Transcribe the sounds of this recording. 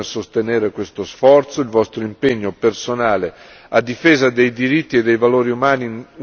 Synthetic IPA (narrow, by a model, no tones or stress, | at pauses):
esost̪eneːɾekwest̪osfɔrt̪soilvɔst̪ɾoimpeɲːopersonaːle | ad̪ːifeːzad̪ejd̪iɾit̪ːied̪ːejvaloːɾiumaːni